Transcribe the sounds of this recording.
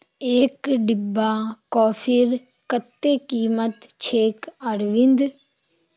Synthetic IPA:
eːkɖɪbːaːkɔːpʰiɾ | kət̪ːeːkiːmət̪t͡ʃʰeːkəɾʋɪnd̪

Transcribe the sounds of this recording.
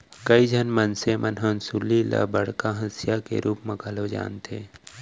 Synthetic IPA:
kəid͡ʒʱənmənsemʔənɦənsulila̰bəɽkaɦɐsjakḛɾʔuːpməkalod͡ʒa̰ːnt̪ʰeː

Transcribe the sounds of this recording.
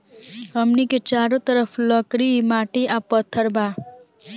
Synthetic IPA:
əmniket͡ʃaɾot̪əɾəfʰləkɾimaʈiʔapət̪ʰːəɾbʱa

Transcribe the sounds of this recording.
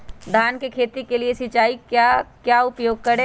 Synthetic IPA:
d̪ʱaːnkekʰeːt̪ikeliesɪt͡ʃaːikakjaːʊpjoːɡ̚kɐɾe

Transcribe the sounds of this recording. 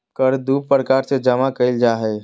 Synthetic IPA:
kəɾd̪uːppɾəkaːɾsed͡ʒəmakəɪld͡ʒaːɦɛ

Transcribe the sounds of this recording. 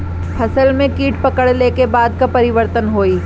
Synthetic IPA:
pʰɐsəlmẽkiːʈpɐkəɽlekebaːd̪kapɐɾɪʋəɾt̪ənɦoːiː

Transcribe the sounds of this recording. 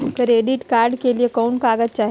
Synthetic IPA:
kəɾeːɖiʈkaːɾɖkeliekɔʊnkaːɡət̪̚t͡ʃaːɦ

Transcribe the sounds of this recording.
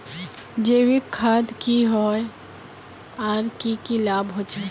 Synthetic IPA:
d͡ʒeːwikʰad̪kiɦoj | aːɾkikilabɦot͡ʃʰa

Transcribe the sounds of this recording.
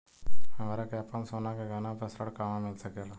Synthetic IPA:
həmaːɾakjapansonakeɡənapɾəsɾəɽkaːmamɪlsəkela

